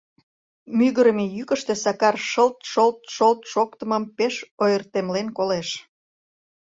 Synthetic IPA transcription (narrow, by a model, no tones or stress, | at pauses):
myɣəɾəmejykəʃt̪e̽sɑkɑrʃəlt̪ʃolt̪ʃolt̪ʃokt̪əməmpeʃojərt̪emlenkoleʃ